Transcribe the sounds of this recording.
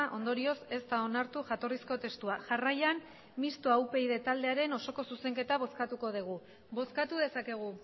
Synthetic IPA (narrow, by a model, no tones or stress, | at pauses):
ʔo̞nd̪o̞ɾio̞se̞st̪ao̞naɾt̪uʝat̪o̞risko̞t̪e̞st̪uaʝarajan | mist̪oawpe̞jðe̞t̪ald̪e̞aɾe̞no̞so̞ko̞suse̞ŋke̞t̪aβ̞o̞skat̪uko̞ð̞iɣ̞u | bo̞skat̪uð̞e̞sake̞ɣ̞u